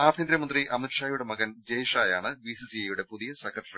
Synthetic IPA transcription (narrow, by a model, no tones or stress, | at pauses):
aːbʱind̪ɾɐmɐnd̪riʔɐmnuʂaːjuɽe̞mɐɣɐnd͡ʑɐjiʂaːjaːɳɨʋisisiɐjuɽe̞puðijɐsɐkʰɐʈːɐrɐ